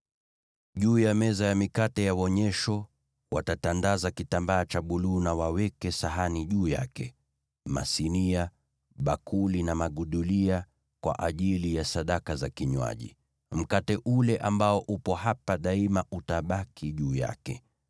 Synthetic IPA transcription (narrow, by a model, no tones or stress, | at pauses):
ʄuːjamɛzajamikatɛjawɔɲɛʃɔ | watatandazakitambaːt͡ʃaɓuluːnawawɛkɛsaɦaniʄuːja̰kɛ | ma̰sinia | ɓakʰulinamaɠuɗulia | kwa̰ʔaʄilijasaɗakazakiɲwa̰ʄḭ | m̩katɛʔulɛʔambaɔʔupɔhapaɗaimaʔutaɓakʰiʄuːja̰kɛ